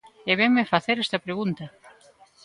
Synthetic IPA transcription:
eβeŋmefaθeɾɛst̪ɐpɾeɣunt̪ɐ

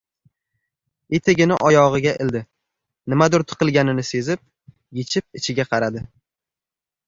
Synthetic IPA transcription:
et̪ʰeɡʲɪnɪʔɒjɒʁɨɡʲaʔɪld̪ɪ | nɪmad̪ʊɾt̪ʰɨ̥qʰɨlˠɡʲanɪnɪse̞zɪp̚ | jet͡ʃʰɪp̚ɪt͡ʃʰɪɡʲaqʰɑɾad̪ɪ

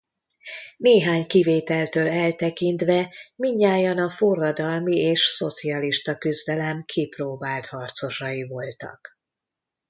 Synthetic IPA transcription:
neːɦaːɲkiveːt̪ɛlt̪øːlɛlt̪ɛkint̪ʋɛmiɲːaːjɒnɒforːɒd̪ɒlmieːʃso̞t̪siɒliʃt̪ɒkyzd̪ɛlɛmkʰiproːbaːlt̪hɒrt̪so̞ʃɒjivo̞lt̪ɒ̰k

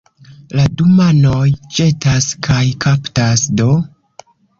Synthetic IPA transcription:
ladumanojt͡ʃe̞taskajkʰaptasdo̞

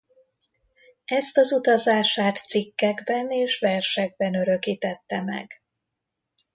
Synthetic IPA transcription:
ɛst̪ɒzut̪ɒzaːʃaːt̪sikːɛɡbɛneːʃʋɛrʃɛɡ̚bɛnøɾø̞kiːt̪ɛt̪ːɛmɛ̰ɡ

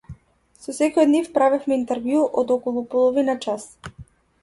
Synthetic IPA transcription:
sɔsɛkɔjɔd̪nifpɾavɛfmɛint̪ɛɾvjuʔɔd̪ɔkɔlˠupɔlˠɔvinat͡ʃas

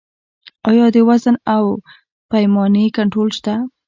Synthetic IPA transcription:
ɑjɑd̪əwazənaw | pajmɑnekaɳʈɾolʃt̪a

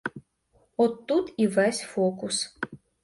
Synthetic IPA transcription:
ɔt̪ːut̪ivɛsʲfɔkʊs

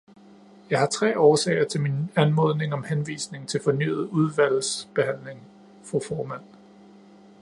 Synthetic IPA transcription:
jɑ̈ɪhɑ̈t͡sʰʁɛ̰ːɒːsɛ̰ɪɐt͡sʰe̝lminænmɔð̞ˠne̝ŋɒ̽mhenʋḭːsne̝ŋt͡sʰe̝lfɒ̽ny̰ːð̞̩ˠuð̞ˠʋæl̰̩sb̥e̝hæn̰le̝ŋ | fʁufɒːmæn̰

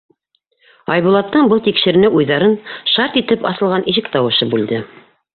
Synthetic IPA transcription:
ɑjβulˠɑt̪ːɤɴbɤlˠt̪ikʃɘ̆ɾɘ̆nɘʔujðɑɾɤnʃɑɾt̪it̪ɘpɑ̰θɤ̆lˠʁɑnʔiʃɘkt̪ɑwɤ̆ʃɤbʉld̪ɘ

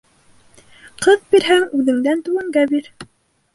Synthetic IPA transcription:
qʰɤðbiɾɦæŋʉðɘ̆ŋd̪ænt̪ʉwɘ̆ŋɡæbiɾ

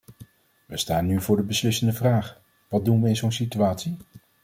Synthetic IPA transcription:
ʋəstaːnːyvʊːɹdəbəslɪsəndəvraːχ | ʋɑt̚dunʋəɪnzownsityaːtsi

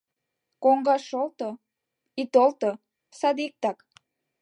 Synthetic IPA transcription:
koŋɡɑʃolt̪o | it̪olt̪o | sɑd̪ik̚t̪ɑk

